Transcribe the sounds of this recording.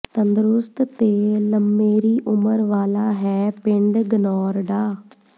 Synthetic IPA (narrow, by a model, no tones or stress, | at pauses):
t̪ənd̪əɾʊst̪t̪eːləmːeːɾiːʔʊməɾʋaːlaːɦɛːpɪ̃ɳɖɡənɔːɾɖaː